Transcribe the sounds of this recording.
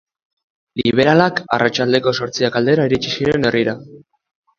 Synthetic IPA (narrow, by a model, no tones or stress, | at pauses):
liβ̞e̞ɾalaka̰rat͡ʃald̪e̞ko̞so̞ɾt͡siakald̪e̞ɾaiɾit͡ʃisiɾe̞ne̞rʔiɾa